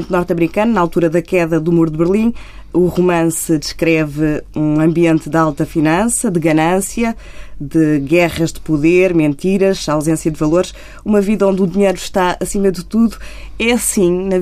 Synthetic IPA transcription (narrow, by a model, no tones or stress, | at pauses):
nt̪nɔɾt̪ɐmɾikɐnnalˠt̪uɾɐðɐkɛðɐðumuɾd̪βɨɾlˠĩ | uʁumɐ̃sɨd̪ɨʃkɾɛvɨũɐ̃mbiẽnt̪d̪ɨalˠt̪ɐfinɐ̃sɐd̪ɨɣɐnɐ̃sjɐ | d̪ɨɣɛʁɐʒd̪ɨpuðeɾmẽnt̪iɾɐʃawzẽsjɐd̪vɐlˠoɾʃ | umɐviðɐõnd̪uðiɲɐjɾuʃt̪aɐsimɐðɨt̪uðuɛɐsĩnɐ